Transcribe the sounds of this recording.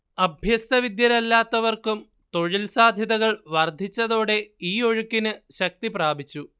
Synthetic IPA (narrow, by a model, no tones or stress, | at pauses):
ɐbʱjɐst̪ɐʋid̪jɐɾɐlːaːt̪ːɐʋɐrkum | t̪o̞ɻilsaːd̪ʱjɐðɐɣɐɭʋɐrd̪ʱit͡ɕːɐðo̞ːɽe̞iːo̞ɻukːinɨɕɐk̚t̪ipraːbʱit͡ɕːu